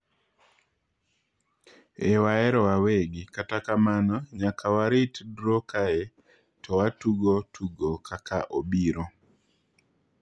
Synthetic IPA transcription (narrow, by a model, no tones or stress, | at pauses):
ɛwaɛɾɔwaweɡikatakamanɔɲakʰawaɾitdɾokaɛ | tʰɔwatuɡotʰuɡɔkʰaka̰ʔobiɾɔ